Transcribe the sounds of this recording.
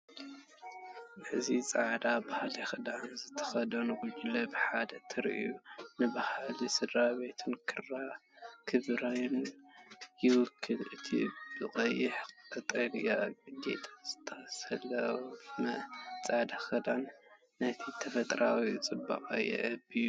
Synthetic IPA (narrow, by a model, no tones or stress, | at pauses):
ʔɨzit͡sʼaʕd̪abahalixɨd̪anzɨt̪ʰɐ̥xɐd̪ɐnɡud͡ʒlɐbɨħad̪ɐt̪ʰɨɾ̰ʔjunɨbahalisɨd̪ɾaβe̞t̪ʰɨnkʰɨrːakʰɨβɾajn | jɪwʊkʰːɨlɨt̪ʰḭb̥ɨkʼɐjːɪħɨt̪ʼɐlijaɡɨd̪ḛt̪ʼɐz̥ɨ̥t̪ʰːɐsɐlːɐmɐt͡sʼaʕd̪axɨd̪anː | ɐt̪ʰit̪ʰɐfɐt̪ʼɾawit͡sʼɨbːa̰qʼa̰jɛ̰ʔɐbiju